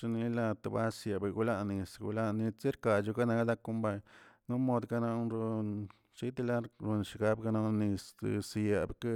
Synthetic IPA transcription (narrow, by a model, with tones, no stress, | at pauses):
ʂa˧ni˧la˧t̪a˨ba˦sja˨ba˨ɡu˦la˧ni˧sɡṵ˧la˦ni˧t͡si˦ɾka˨t͡ʃu˧ka˦na˧kd̪a˦kːu˦mba˧ɲnu˦mo˧d̪ɡa˧na˧˦nɾo˧n | t͡ʃi˦t̪i˧la˦ɾu˧nʃi˧ɡa˦bɡa˧na˧ni˧ssja˨bke˦